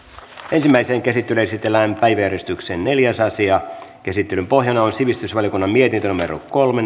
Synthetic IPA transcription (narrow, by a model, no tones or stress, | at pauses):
ʔe̞nsimːæiseːŋkæsit̪ːelesit̪ːelːæːmpæjʋæjæɾest̪ykseːnne̞ljæsɑsiɑkæsit̪ːelympo̞hjɑnɑonsiʋist̪ysʋɑljokunːɑmmiet̪int̪ønumeɾo̰kolme